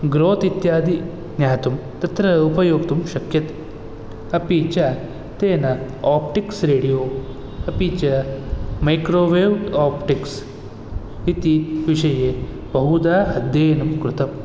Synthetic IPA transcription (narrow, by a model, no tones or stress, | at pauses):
ɡɾoːt̪it̪jaːd̪i | njaːt̪um | t̪ɐt̪ɾɐupɐjoːkt̪umʃɐkjɐt̪e̥ | ɐpit͡ʃa | t̪eːnɐ | aːp̚ʈiksɾeːɽijoː | ɐpit͡ʃamɐjkɾoːʋewʈaːpʈiks | it̪iʋiʂɐjeː | bɐɦud̪aːɦɐd̪jeːnɐmkɾut̪ɐm